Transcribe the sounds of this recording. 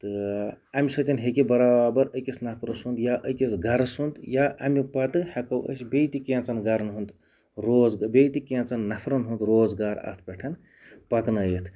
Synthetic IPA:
t̪ɨ | ɐmisɐt͡ʃʲinɦekibɐɾaːbɐɾəjkisnɐpʰɾɨsund̪jaʔəkisɡɐɾsunt̪jaʔɐmipɐt̪ɨhɐkɐwə̰sbejt̪ikẽːnt͡sɐnɡɐɾnɦund̪ | ɾoːd͡zbʲejt̪ikẽːnt͡sɐnːɐpʰɾɐnɦunt̪ɾoːd͡zɡaːɾɐ̰t̪ʰpʲeʈʰɐn | pɐknɐjit̪ʰ

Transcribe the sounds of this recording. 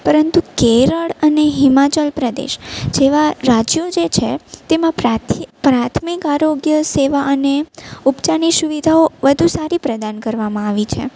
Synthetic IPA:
pəɾənt̪ukeɾəɭəneɦimat͡ʃəlpɾəd̪ḛʃd͡ʒeʋaɾad͡ʒjod͡ʒet͡ʃʰet̪emãpat̪ʰpɾat̪ʰmikaɾoɡjəseʋaʔəneupt͡ʃanisuʋid̪ʱaoʋəd̪ʱusaɾipɾəd̪ankəɾʋamãaʋit͡ʃʰḛ

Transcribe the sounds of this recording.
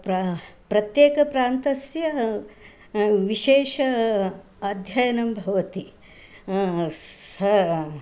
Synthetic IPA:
pɾpɾɐt̪jeːkɐpɾaːnt̪ɐsjɐ | ʋiʃeːʃɐ | ɐd̪ʱjɐjɐnɐmbʱɐʋɐt̪i | sɐ

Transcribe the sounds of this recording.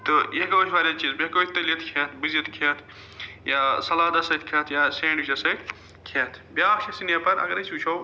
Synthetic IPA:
t̪ojeɦkoːt͡ʃʰʋaːɾʲat͡ʃiːzbekoːt̪ɐliɐt̪ʰkʰɐːt̪ʰbizɐt̪kʰɐːt̪ʰ | jaːsɐlaːd̪ɐsɐt̪kʰɐːt̪ʰjaːsẽːɳɖʋit͡ʃɐsɐt̪ | kʰeːt̪ʰbjaːkt͡ʃʰɐsinjapɐɾɐ̰ɡɐɾɐsuːt͡ʃʰow

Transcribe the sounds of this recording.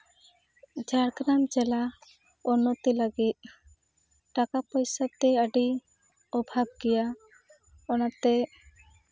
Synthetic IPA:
d͡ʒaɽkɾamd͡ʒɛla | ɔnɔt̪ɛləɡit̪̚ | ʈakapɔjsat̪ɛəɖi | ɔbʱab̚ɡɛja | ɔnat̪ɛ

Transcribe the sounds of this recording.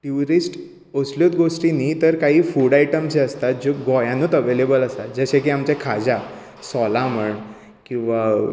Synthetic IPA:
ʈjuɾisʈ | osljot̪ɡoʂʈiniːt̪əɾkaɦiːfuɽaiʈəmt͡ɕeəst̪at̪̚d͡ʑoɡɔjãnut̪əʋelebələsad͡zəɕẽk̬iːamt͡ɕekʰad͡za | sɔlam̤əɳ | kĩw̃ʋa

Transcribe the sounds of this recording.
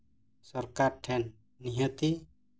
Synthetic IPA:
sɔɾkaɾʈʰɛnː | iɦət̪i

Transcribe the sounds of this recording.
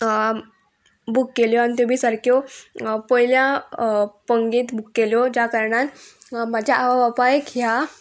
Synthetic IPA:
bukːeljɔañit̪̬jobʱiːsaɾkʰjɔpəɦilja | pəŋɡiːt̪bukːeljod͡ʑjakəɾɳat̪mad͡ʑʱjaʔaʋaʋapajkja

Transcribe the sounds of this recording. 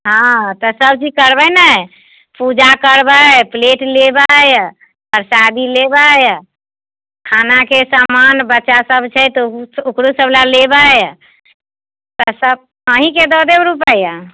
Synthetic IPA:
ɦãt̪ɔsəbt͡ʃikəɾbəjnəj | pud͡ʒakəɾbəpleʈlebəj | pəɾsad̪ilebəj | kʰanakesamanbətːʃasəbt͡ʃʰɛt̪ukɾusəblalebəj | t̪ɔsəb̚ | əɦiked̪ɔd̪ebɾupəja

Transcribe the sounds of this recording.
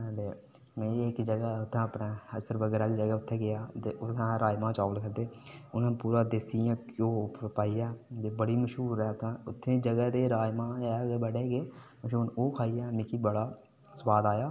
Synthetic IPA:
d̪eː | mɛ̃ːɪkd͡ʒəɡaːʊt̪ʰːãːəpnaːəsəɾbəɡɾaːld͡ʒəɡɛːʊt̪ʰːeːɡɪjaːt̪eːʊt̪ãːɾaːjmãːt͡ʃaːʋlkʰəd̪eːʊnãːpuːɾaːd̪esijãːkoːppaːijaːd̪eːbəɽiːməʃɦuːɾɛːt̪ʰːãːʊt̪ʰːẽːd͡ʒəɡɛːd̪eːɾaːjmãːɛːɡbəɽeːɡeːməʃuːnoːkʰaːijãːmɪ̃kiːbəɽaː | səwaːd̪aːjaː

